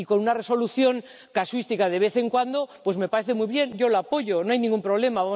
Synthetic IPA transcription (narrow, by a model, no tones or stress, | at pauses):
iko̞nunare̞so̞luθjo̞ŋ | kaswist̪ikað̞e̞βe̞θe̞ŋkwand̪o̞pwe̞zme̞paɾe̞θe̞mujβje̞nɟ͡ʝo̞lapo̞ʝonoajnĩŋɡumpɾoβle̞maβam